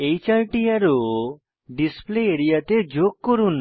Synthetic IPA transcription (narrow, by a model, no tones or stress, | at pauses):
ejt͡ʃaɾʈiaɾo | ɖispleeɾijat̪ed͡ʒoɡ̚kɔɾun